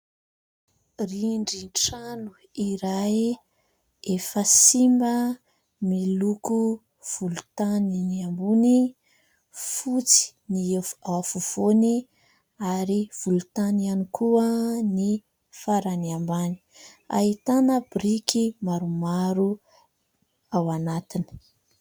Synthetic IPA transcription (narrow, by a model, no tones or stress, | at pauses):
riɳɖ͡ʐiɳʈ͡ʂanu | iɾaj | efəsimbə | miluku | v̥ulut̪aniniambuni | fut͡si̥niafuv̥oni | aɾiv̥ulut̪anianikʰuəni | faɾaniambani̥ | a̰ɦit̪anəbɾikʰimaɾumaɾu | awanat̪ini̥